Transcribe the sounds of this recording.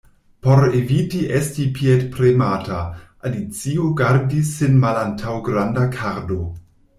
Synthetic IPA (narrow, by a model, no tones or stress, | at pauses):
poɾevitiʔestipʰietpɾemataʔalit͡sioɡaɾdisːenmalantʰawɡɾandakʰaɾdo